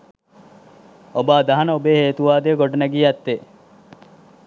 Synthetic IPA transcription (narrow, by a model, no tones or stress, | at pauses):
obaːd̪ɐɦɐnɐobeɦeːt̪uʋaːd̪eːɡoɖɐnæɡiːæt̪ːe